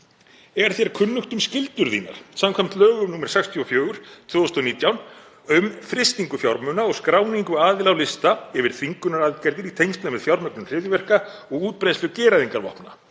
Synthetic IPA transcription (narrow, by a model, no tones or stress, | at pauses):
ɛɾ̥θjɛɾ̥kʰʏnːʏxt̪ʏmscɪlt̪ʏɾðiːna̰ɾ̥samkʰvɛm̥t̪lœːɣʏmnuːmɛɾ̥sɛkst̪ʰjiɔfjœːɣʏɾ̥t̪ʰv̥ʏːɔst̪ɔniːt̪jawn | ʏmfɾɪst̪iŋkʏfjawɾmʏːnaɔɣskɾaːwniŋkʏaːðɪlawlɪst̪aɛvɪɾ̥θiŋkʏnaɾalt̪cɛɾt̪ɪɾit̪ʰejnst̪lamɛðfjawɾmœknʏmr̥ɪðjɪvɛr̥ka | ɔɣuːt̪̚pɾejslʏcɛːɾaðiŋkaɾvɔ̰hpna̰